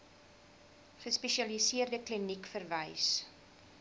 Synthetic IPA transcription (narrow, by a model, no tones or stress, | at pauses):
χəspɛʃiɐlisiərdəklinikfərvɐjs